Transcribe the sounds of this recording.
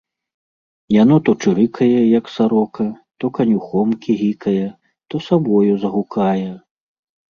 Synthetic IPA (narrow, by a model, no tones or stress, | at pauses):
janɔt̪ɔt͡ʂɨɾɨkʰɐjɛjɐksaɾɔkɐ | t̪ɔkɐnʲuxɔmkʲʰiɣʲikɐjɛ | t̪ɔsabɔjuzɐɣukʰajɛ